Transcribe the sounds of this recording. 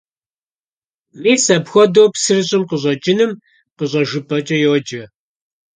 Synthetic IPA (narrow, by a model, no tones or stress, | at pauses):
miːsɐpxʷɔdowpsɨrɨɕʼɪmqəɕʷʼɐt͡ʃʼɪnɨm | qəɕʼɐʒɨpʼɐt͡ʃʼɐjoːd͡ʒɐ